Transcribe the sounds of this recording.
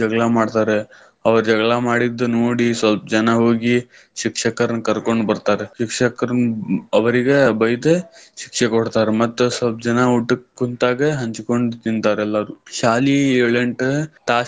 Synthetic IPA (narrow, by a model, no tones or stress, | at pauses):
d͡ʒɐɡɭamaːɖt̪aːɾe | ɐʋɐɾd͡ʒɐɡɭamaːɽid̪ːunoːɽisʋɐlp̚d͡ʒɐnaɦoːɡi | ʃikʂɐkɐɾɐnkɐɾkoɳɖbɐɾt̪aːɾeʃikʂɐkɐɾnɐʋɐɾiɡebɐjd̪eʃi̥kʂekɔɽt̪aːɾemɐt̪ːusʋɐlp̚d͡ʒɐnauʈːukːunt̪aːɡeɦɐɲt͡ʃkoɳɖt̪int̪aːɾɛlːaːɾuʃaːlieːɭeɳʈt̪aː